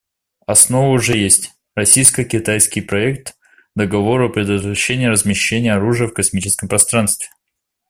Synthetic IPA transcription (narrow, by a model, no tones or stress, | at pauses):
ɐsno̞vəʊʐɛjesʲtʲ | rɐsʲijskəkʲɪt̪ajskʲɪjpɾɐɛkt̪ | d̪əɡɐvo̞ɾʊɐpɾʲɪd̪ət̪vɾɐɕːenʲɪjəɾəzmʲɪɕːenʲɪjəɐɾuʐɨjəfkɐsmʲit͡ɕɪskəmpɾɐst̪ɾanst̪vʲɪ̥